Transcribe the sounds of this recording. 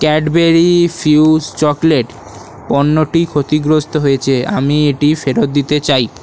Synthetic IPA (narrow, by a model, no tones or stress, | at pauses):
kɛɖbeɾifiud͡ʑt͡ɕɔkleʈ | pɔnːoʈikʰot̪iɡɾost̪oɦojet͡ɕʰea̰mieʈifeɾot̪̚d̪it̪et͡ɕaj